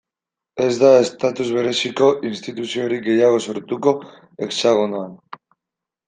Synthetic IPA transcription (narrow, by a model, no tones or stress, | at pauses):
e̞zd̪ae̞st̪at̪uzβe̞ɾe̞siko̞ʔinst̪it̪usio̞ɾiɡe̞jaɣ̞o̞so̞ɾt̪uko̞ | e̞ksaɣ̞onoan